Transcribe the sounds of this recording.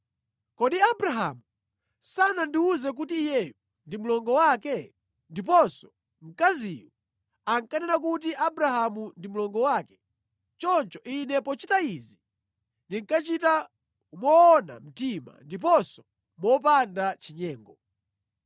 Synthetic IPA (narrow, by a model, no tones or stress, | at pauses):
kɔɗiabɾaɦa̰mu | sanandiuzɛk̬utiːjɛju | ndimulɔŋɡɔwakɛ | ndip̬ɔnsɔ̥ | ŋ̩kaziju | aŋkanɛnak̬ut̬iʔabɾaɦamundimulɔŋɡɔwaːkɛ̥ | t͡ʃɔnt͡ʃɔʔinɛpɔt͡ʃitaizi | ndiŋkat͡ʃita | mɔːna̰m̩tima̰ndip̬ɔnsɔ̥ | mɔp̬andat͡ʃiɲɛːŋɡɔ